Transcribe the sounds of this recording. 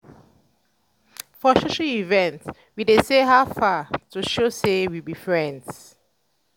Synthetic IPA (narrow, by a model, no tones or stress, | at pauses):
fɔʃoʃalivɛ̃nts | widesehaʊfatuʃosewibifɹɛ̃nds